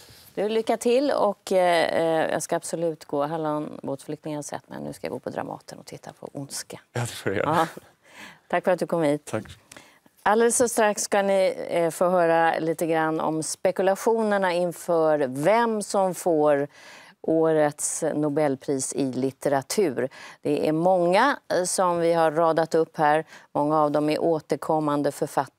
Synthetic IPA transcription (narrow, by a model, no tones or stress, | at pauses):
d̪̥ɵvɪllːʏkːat̪ʰɪlːɔ̰k | jɑ̰ːskaːb̥sɔlʉ̟ːt̪ɡoːɦaɭoːnboːt̪flʏk̚t̪ɪŋənhasɛ̰t̪ːmɛ̰nʉ̟̰ːskaja̰ɡo̰ːpʰɔd̪ɾa̰mɑ̰ːt̪ənɔ̰t̪ʰɪt̪ʰːapʰɔ̰ʔʊnskafɾḛɑ | t̪ʰakːfœɾat̪̚d̪ɵkʰɔmhiːt̪ | ʔald̪ɛlɛsːɔst̪ɾaksːkanɪfoːɦœːɾaliːt̪əɡɾanːɔ̰mspɛkɵlaɧuːnəɳaɪnfœːɾvɛmsɔmfoːɾʔoːɾət̪snʊbɛlːpʰɾiːsɪlɪt̪ɛɾat̪ʰʉ̟ːɾd̪̥ɛʔæ̰ɾmɔŋːasɔmvɪɦaɾːɑːd̪at̪ɵpːhæːɾmɔŋːaːvd̪ɔmæɾʔoːt̪əɾkʰɔmːand̪əfœɾfat̪ː